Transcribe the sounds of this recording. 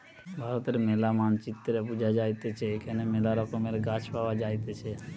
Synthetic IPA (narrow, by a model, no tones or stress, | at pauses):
bʱaɾət̪ɾemelamant͡ʃɪt̪ːɾepud͡ʒad͡ʒajt̪et͡ʃʰekənemelaɾokomeɾeɡat͡ʃʰpaʋad͡ʒajt̪et͡ʃʰe